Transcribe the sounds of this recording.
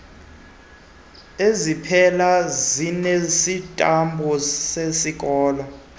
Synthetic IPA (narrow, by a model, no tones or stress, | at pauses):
ezipʰɛlazinesitʼambʱɔsesik̬ʼɔːlɔ